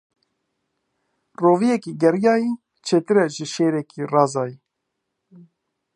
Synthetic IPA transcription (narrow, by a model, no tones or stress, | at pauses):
roːvijɛkiːɡɛɾjɑːjiː | t͡ʃʰeːt̪ɨɾɛʒɪʃeːɾɛkiːrɑːzɑːji